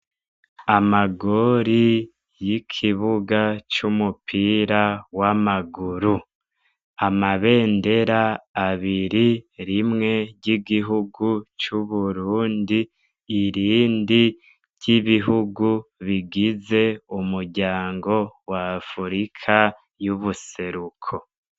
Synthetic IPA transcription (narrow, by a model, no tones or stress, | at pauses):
amaɡoɾi | jikʰiβuɡat͡ʃumupʰiːɾawamaɡuɾu | amaβe̞ːnde̞ɾaːβiɾiɾimŋe̞ɟiɡiɦuɡut͡ʃuβuɾuːndiː | ɾiːndi | ɾɟ̥iβiɦuɡuβiɡize̞umuɾɟaːŋɡo̞waːfuɾikʰa | juβuse̞ɾukʰo